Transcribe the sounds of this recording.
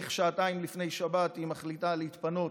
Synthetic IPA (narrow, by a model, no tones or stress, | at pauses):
χʃaːtaimlifne̞jʃabatimaχlitalehit̪pano